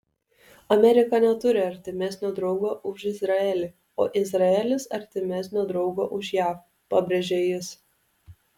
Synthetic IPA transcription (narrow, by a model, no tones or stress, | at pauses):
ɐmʲɛɾʲɪkɐnʲɛt̪ʊɾʲɪɐɾʲt̪ʲɪmʲɛsʲnʲoːd̪ɾɒʊɡoːʔʊʃɪzɾɐɛlʲɪ | o̰ːʔɪzɾɐɛlʲɪsɐɾʲt̪ʲɪmʲɛsʲnʲoːd̪ɾɒʊɡoːʔʊʃjæːf | pɐbʲɾʲeʒʲejɪs